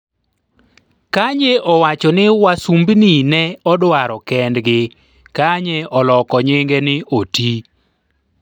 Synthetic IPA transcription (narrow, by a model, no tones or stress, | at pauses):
kaɲeʔɔwat͡ʃɔnɪwasumbninɛɔdwaɾɔkɛndɡɪ | kaɲeʔɔlɔkɔɲɪŋɡenɪʔoti